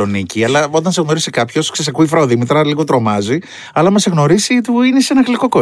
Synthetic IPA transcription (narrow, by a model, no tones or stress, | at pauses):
o̞niciɐlɐo̞t̪ɐnse̞ɣno̞ɾisikɐpço̞skses̬ɐkuifɾɐoðimit̪ɾɐliɣot̪ɾo̞mɐzi | ɐlɐmɐse̞ɣno̞ɾisit̪uinesenɐxliko̞ko